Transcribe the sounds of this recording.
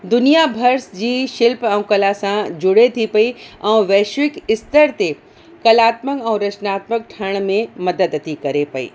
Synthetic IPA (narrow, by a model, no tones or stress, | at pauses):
d̪ʊnijabʱɐɾsd͡ʑiʃɪlpɐ̃ũkɐlasãd͡ʒʊɽet̪ʰipɐiɐ̃ũʋɛːʃʋɪkɪst̪əɾt̪e | kɐlaːt̪məkɐ̃w̃ɾɐt͡ʃnaːt̪mək̚ʈʰəɽ̃mẽmɐd̪əd̪ət̪ʰikɐɾepɐḭː